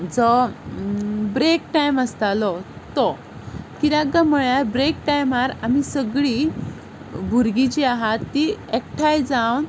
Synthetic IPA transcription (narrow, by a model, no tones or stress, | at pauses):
d͡zɔ | bɾekʈajməst̪alɔt̪ɔ | kiɾaɡaməɭjaɾbɾek̚ʈajmaɾamisəɡɭi | bʱuɾɡit͡ɕiaɦat̪ːiekʈʰajd͡zawn